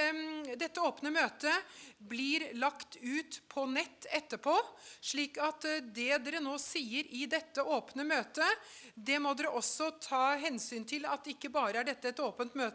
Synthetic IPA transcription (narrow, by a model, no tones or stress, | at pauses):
d̪ɛt̪ːəoːpnəmøːt̪əblɪɾlɑkt̪ʉːt̪pʰɔnɛt̪ːɛt̪ːəpʰoːʂɭiːkɑt̪d̪ɛd̪ɛːɾənoːsiːəɾɪd̪ɛt̪ːəʔoːpnəmøːt̪əd̪ɛmɔd̪ɛɾəʔɔsɔt̪ʰɑːɦɛnsyːnt̪ʰɪlɑ̰t̪̚d̪ɛɪkːəbɑːɾəæɖɛt̪ːəɛt̪oːpənt̪møːt̪